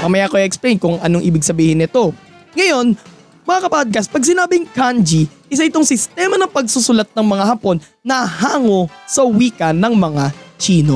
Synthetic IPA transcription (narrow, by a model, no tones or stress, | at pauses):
mɐmɐjakoʔiʔɛksplejnkʊŋʔɐnoŋʔiːbɪɡ̚sɐbiːhɪnɪt̪o̞ | ŋɐjo̞n | mɐŋakɐpaːd̪̚kɐspɐɡ̚s̬ɪnaːbɪŋkand͡ʒiʔɪs̬aʔɪt̪oŋsɪst̪ɛmɐnɐŋpɐɡ̚susʊlat̪̚nɐŋmɐŋahɐpo̞nːɐhaːŋo̞sɐwiːkɐnːɐŋmɐŋat͡ʃiːno